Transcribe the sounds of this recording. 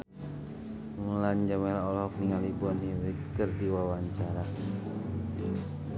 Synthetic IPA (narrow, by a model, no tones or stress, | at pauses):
məlaɲd͡ʒamalaɔlhɔk̚niŋalibuanɦiwit̪̚kərdiwawaɲt͡ʃaɾa